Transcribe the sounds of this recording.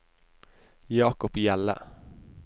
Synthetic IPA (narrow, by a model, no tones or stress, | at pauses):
jɑːkɔpjælːə̰